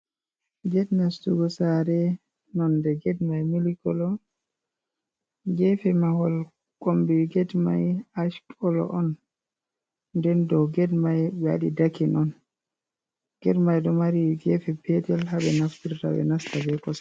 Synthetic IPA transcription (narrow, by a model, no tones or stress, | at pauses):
ɡɛdnastuɡɔsaɾɛ | nɔndɛɡɛdmajmilikɔlɔ | ɡɛfɛmahɔl | kʼombiɡɛdmajaʃkʰɔlɔ̰ʔɔn | dɛndɔɡɛdmajɓɛa̰ɗidakinɔn | ɡ̥ɛdmajɗɔmaɾiɡɛfɛpɛtɛlhaɓɛnaftiɾta̰bɛ̰nastabɛkɔs